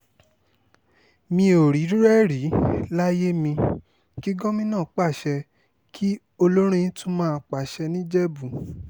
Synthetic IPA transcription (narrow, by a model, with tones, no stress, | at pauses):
mĩ˧o˨ɾi˨˦ɾi˦ɾɛ˦˨ɾi˨˦la˦je˦mĩ˧ | ki˦ɡɔ̃˦mĩ˧nã˦˨˦k͡pa˦˨ʃɛ˧ | kʰi˦ | o˧lo˦ɾ̃ũ˦jĩ˦tũ˦mãː˦˧˨k͡pa˨ʃɛ˧nĩ˦d͡ʒɛ˦bu˨